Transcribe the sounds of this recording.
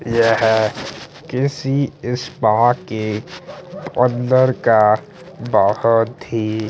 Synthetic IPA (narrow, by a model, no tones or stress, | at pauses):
jɛɦɛ | kɪsiɪspãke | pə̃nd̪əɾka | bahɔt̪ɦiː